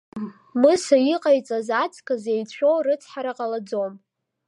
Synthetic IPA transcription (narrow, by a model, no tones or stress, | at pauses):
mɨsajiqʼajt͡sʼazat͡sʰʼkʰʼazejt͡ɕʷʰᶣorɨt͡sʰħaɾaqʼalad͡zo̞m